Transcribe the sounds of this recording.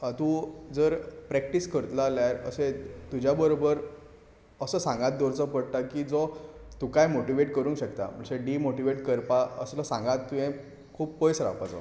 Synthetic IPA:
t̪ud͡zəɾpɾɛk̚ʈiːskəɾt̪laljaɾə̰set̪ud͡ʑʱjabəɾobəɾ | əsəːsãŋɡat̪̚d̪ʱɔɾt͡sɔpəɽt̪akiːd͡zɔt̪ukajmoʈiʋeʈkəɾũːŋkɕəkt̪a̰m̤əɳseɖimoʈiʋeʈkəɾpaə̰sləsãŋɡat̪ːuɦẽ | kʰuːppojsɾa̰pat͡sa̰

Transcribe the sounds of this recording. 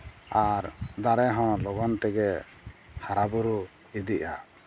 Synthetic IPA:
aɾd̪aɾɛɦɔ̃lɔɡɔnt̪ɛɡɛ | haɾabuɾu | id̪iʔa̰

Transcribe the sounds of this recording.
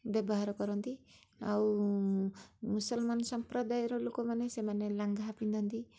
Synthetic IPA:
bjʌbɔɦaɾɔkɔɾɔnt̪iaw | musɔlmansɔmpɾɔd̪ajɾɔlokomanesemanelaŋɡʱapind̪ʱɔnt̪i

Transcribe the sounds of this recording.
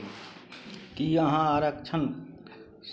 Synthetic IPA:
kiəɦãaɾəkt͡ʃʰən | s

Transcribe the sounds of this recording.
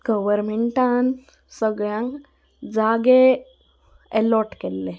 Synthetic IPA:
ɡ̥əʋəɾmeɳʈan | səɡjãŋɡ | d͡zaːɡe | eloʈkelːe

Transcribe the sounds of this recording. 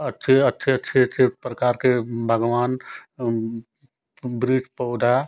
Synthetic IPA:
ətːʃʰeətːʃʰeətːʃʰeətːʃʰepɾəkaːɾkebʱəɡʋaːn | bɾit͡ʃpəʊd̪ʱa

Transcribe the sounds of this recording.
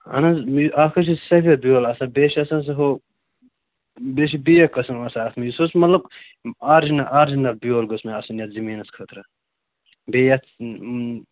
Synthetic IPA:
ɐ̰nɐzakʰɐt͡ʃissɐfʲɐbijoːlɐsɐbeːʃiɐsɐns̬ɐɦo | beʃ̬ibijɐkːɐsɐnɐsɐːt̪ʰmijisosmɐt̪lɐb̚ | aːɾd͡ʒinɐʔaːɾd͡ʒinɐlbijoːlɡosmeɐsɐnjɐt̪zimiːnɐskʰɐt̪ɾɐ | beːjɐt̪

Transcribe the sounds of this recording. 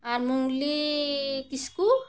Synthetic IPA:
aɾmuŋɡli | kisku

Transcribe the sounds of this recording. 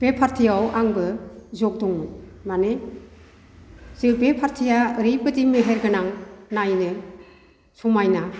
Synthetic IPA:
b̥epʰaɾtʰijawaŋbɯzɔk̚dɔŋmɯmane | z̥ɯbepʰaɾtʰijaɾibɯdimeɦeɾɡɯnaŋnajnɯ | sumajna

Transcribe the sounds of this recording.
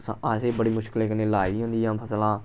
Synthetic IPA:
sã̰ːaːseːbəɽiːmʊʃkɪleːkəneːlaːiːɦõːnd̪iːjãːpʰəslãː

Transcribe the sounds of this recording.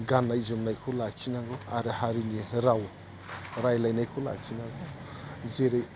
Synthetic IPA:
ɡanːajzomnajkʰɔwlak̚t͡ʃinaɡɔaɾɯhaɾiniɾaw | ɾajlajnajkʰola̰k̚t͡ʃʰinaɡɔ | zeɾej

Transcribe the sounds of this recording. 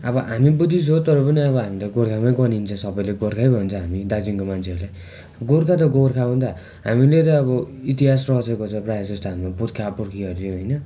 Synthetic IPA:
ʌbʌɦamibud̪is̬ɦot̪ʌɾʌpʌniʌβʌɦamit̪ʌɡorkʰamaɡʌnint͡sʰʌ̃sʌbʌjleɡoɾkʰajbʱʌnt͡sʰʌ̃ɦamid̪ad͡ziŋkomant͡sʰeʌɾlaj | ɡoɾkʰat̪̬ʌɡorkʰaũt̪a | ɦa̰milet̪ʌːβʌit̪iɦasrʌɦt͡sʰʌkot͡sʰʌprajasʌst̪ʰaammaput̪kʰapuɾkʰiʌɾt̪ʰjoɦojnʌ

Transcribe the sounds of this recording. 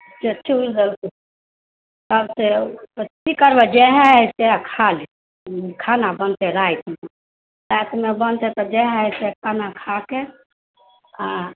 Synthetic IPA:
d͡ʒet͡ʃʰuld̪əlt̪ | t̪əbseətikəɾbɛd͡ʒɛɦaseakʰali | kʰanabənt̪eɾait̪me | sɛt̪mebənt̪et̪ɔd͡ʒɛɦsekʰanakʰake | a

